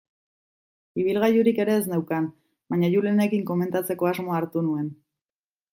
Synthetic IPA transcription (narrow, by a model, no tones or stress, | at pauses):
iβ̞ilɣajuɾike̞ɾe̞ːznewkan | baɲajulene̞kiŋko̞me̞nt̪at͡se̞ko̞azmo̞aːɾt̪unue̞n